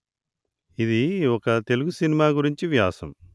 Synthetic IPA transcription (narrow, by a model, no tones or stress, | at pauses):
id̪iɔkɐt̪e̞luɡusinimaːɡuɾiɲt͡ʃiʋjaːsɐ̰m